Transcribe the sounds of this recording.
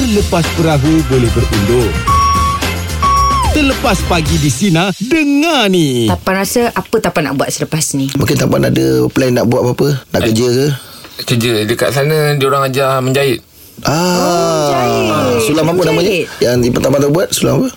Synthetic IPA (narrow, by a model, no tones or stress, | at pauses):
ələpaspəɾaɦubolɛhbərundʊŋ | t̪ələpaspaɡidisinadəŋãnit̪apanɾasəʔapət̪apana̰ʔbuat̪̚sələpasnimũŋkɪnt̪ampanadəplanːaʔbuwat̪̚apaapəna̰ʔkkəd͡ʒəkə | kəd͡ʒədəka̰ʔsanə̃dioɾaŋad͡ʒahməɲd͡ʒaɪt̪̚ | ʔa | sulamapənamaɲəjaŋdipət̪apat̪əbuat̪̚sulamapə